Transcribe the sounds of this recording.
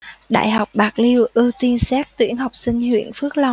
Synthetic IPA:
ɗa̰ː˧˨jɦa˨˩wk͡p̚ɓaː˨˩k̚li˧wʔɨ˧t̪i˧nsɛː˦˥k̚t̪wḭ˧˩ənɦa˨˩wk͡p̚sï˧ŋ̟hwḭ˧˨ənfɨ˦˥ək̚la˧wŋ͡m

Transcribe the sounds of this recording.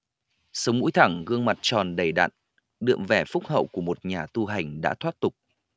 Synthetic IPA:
sə˨˦wŋ͡mmṵ˧˥jt̪ʰa˧˩ŋɣɨ˧əŋma˨˩t̚t͡ɕɔ˨˩nɗə˧˩jɗa̰ː˧˨n | ɗɨ̰˧˨əmvɛ˧˩fʊ˦˥k͡p̚ɦə̰˧˨wku˧˩əmo˨˩t̚ɲaː˨˩t̪u˧ɦa˨˩jŋ̟ɗa̰ː˧˥t̪ʰwaː˦˥t̚t̪ʊ˨˩k͡p̚

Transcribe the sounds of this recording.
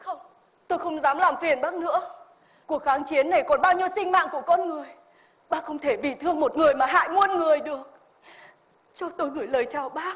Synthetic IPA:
xə˧wŋ͡m | t̪o˧jxə˧wŋ͡mzaː˨˦mlaː˨˩mfi˨˩ənɓaː˦˥k̚nɨ̰˧˥ə | ku˨˩ək̚xaː˨˦ŋt͡ɕi˨˦ənːa˨˩jkɔ˨˩nɓaː˧wɲi˧əwsï˧ŋ̟ma̰ː˧˨ŋku˧˩əkɔ˧nŋɨ˨˩əj | ɓaː˦˥xə˧wŋ͡mt̪ʰe˧˩vi˨˩t̪ʰɨ˧əŋmo˨˩t̚ŋɨ˨˩əjmaː˨˩ɦa̰ː˧˨jŋu˧ənŋɨ˨˩əjɗɨ˨˩ək̚ | t͡ɕɔ˧t̪o˧jɣɨ˧˩jləː˨˩jt͡ɕaː˨˩wɓaː˦˥

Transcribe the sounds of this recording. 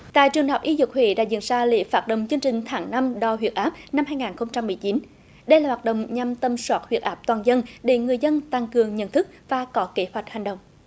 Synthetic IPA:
t̪a̰ː˧˨jt͡ɕɨ˨˩əŋɦɔ˨˩k͡p̚ʔi˧zɨ˨˩k̚hwḭ˧˩ɗa̰ː˧˥zḭ˧˨ənzaː˧lḭ˧˨əfaː˦˥t̚ɗə̰˧˨wŋ͡mt͡ɕɨ˧əŋt͡ɕï˨˩ŋ̟t̪ʰaː˨˩˦ŋna˧mɗɔ˧ɦwi˨˩ət̚ʔaː˦˥p̚na˧mhaː˧jŋaː˨˩nxə˧wŋ͡mt͡ɕa˧mːɨ˨˩jt͡ɕi˨˦n | ɗə˧jlaː˨˩waː˨˩t̚ɗə̰˧˨wŋ͡mɲa˧mt̪ə˧mswaː˦˥t̚hwi˨˩t̚ʔaː˦˥p̚t̪waː˨˩nzə˧nɗe˧˩ŋɨ˨˩əjzə˧nt̪aː˧ŋkɨ˨˩əŋɲə̰˧˨nt̪ʰɨ˦˥k̚vaː˨˩kɔ˨˦ke˨˦hwa˨˩jk̟̚ha˨˩jŋ̟ɗə̰˧˨wŋ͡m

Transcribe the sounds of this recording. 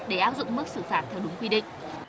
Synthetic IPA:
ɗe˧˩ʔaː˦˥p̚zʊ̰˧˨ŋ͡mmɨ˦˥k̚sɨ˧˩faː˧˩t̚t̪ʰɛː˨˧wɗʊ˨˦ŋ͡mkwi˧ɗḭ̈˧˨ŋ̟

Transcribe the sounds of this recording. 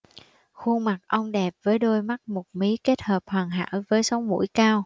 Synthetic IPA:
xu˧ŋma˨˩k̚ʔə˧wŋ͡mɗɛ˨˩p̚vəː˨˦jɗo˧jma˦˥t̚mo˨˩t̚mi˨˦ke˦˥t̚həː˨˩p̚hwaː˨˩nɦa̰ː˧˥wvəː˨˦jsə˨˦wŋ͡mmṵ˧˥jkaː˧w

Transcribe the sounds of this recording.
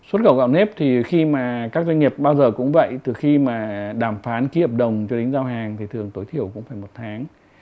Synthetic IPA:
swt̚ɣə̰˧˨wka̰˧˨wne˦˥p̚t̪ʰi˨˩xi˧maː˨˩kaː˦˥k̚zwa˧ŋ̟ŋi˨˩əp̚ɓaː˧wzəː˨˩kʊ̰˧˥ŋ͡mvə̰˧˨jt̪ɨ˨˩xi˧maː˨˩ɗaː˧˩mfaː˨˦nki˨˦əː˨˩p̚ɗə˨˩wŋ͡mt͡ɕɔ˧ɗe˨˦ŋzaː˧wɦaː˨˩ŋt̪ʰi˨˩t̪ʰɨ˨˩əŋt̪o˨˦jt̪ʰi˧˩əwkʊ̰˧˥ŋ͡mfaː˧˩jmo˨˩t̚t̪ʰaː˨˦ŋ

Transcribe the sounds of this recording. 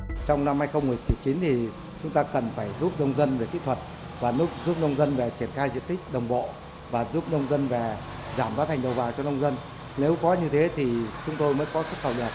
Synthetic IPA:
t͡ɕɔ˧wŋ͡mna˧mhaː˧jxə˧wŋ͡mmu˨˩əj̚t̪ʰt͡ɕi˨˦nt̪ʰi˨˩ | t͡ɕʊ˨˦ŋ͡mt̪aː˧kə˨˩nfaː˧˩jzu˦˥p̚nə˧wŋ͡mzə˧nve˧˩k̪ḭ˧˥˨t̪ʰwə˨˩t̚ | vaː˨˩nu˦˥t̚zu˦˥p̚nə˧wŋ͡mzə˧nve˨˩t͡ɕi˧˩ənxaː˧jzḭ˧˨ənt̪ï˦˥k̟̚ɗə˨˩wŋ͡mɓo̰˧˨ | vaː˨˩zu˦˥p̚nə˧wŋ͡mzə˧nve˨˩ | zaː˧˩mɓaː˨˦t̪ʰa˨˩ŋ̟ɗə˨˩wvaː˨˩wt͡ɕɔ˧nə˧wŋ͡mzə˧n | ne˨˦wkɔ˨˦ɲɨ˧t̪ʰe˨˦t̪ʰi˨˩t͡ɕʊ˨˦ŋ͡mt̪o˧jməː˧˥nkɔ˨˦sə˦˥t̚xə˨˩wə˨˩t̚

